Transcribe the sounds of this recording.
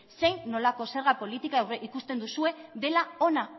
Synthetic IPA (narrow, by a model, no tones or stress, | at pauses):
se̞jnːo̞lako̞se̞ɾɣapo̞lit̪ikaewɾeʔikust̪e̞nd̪usue̞ðe̞lao̞na